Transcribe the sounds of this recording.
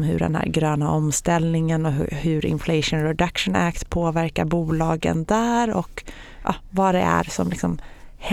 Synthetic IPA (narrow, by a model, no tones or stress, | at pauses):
mɦɵ̰ɖɛ̰nhæ̰ːɾɡɾøːnaɔmst̪ɛlnɪŋənɔɦɦɵɾɪ̰nflɛɪʂənɾɛd̪akʂənʔæːkt̪pʰoːvæɾkaɾbuːlɑːɡə̰nd̪æːɾɔ̰k | ʔɑ̰vɑd̪ɛ̰ʔæ̰ɾsɔmlɪksɔmh